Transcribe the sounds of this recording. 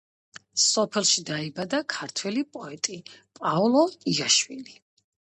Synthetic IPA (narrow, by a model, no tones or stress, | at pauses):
sɔpʰɛlˠʃid̪aibad̪akʰaɾt̪ʰwɛlipʼɔɛt̪ʼipʼaɔlˠɔiaʃwili